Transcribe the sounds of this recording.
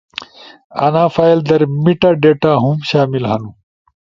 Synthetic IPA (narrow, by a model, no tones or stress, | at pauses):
ɐ̰nãːfaːild̪ɐɾmiʈaɖeːʈaɦumɕaːmilɦɐnu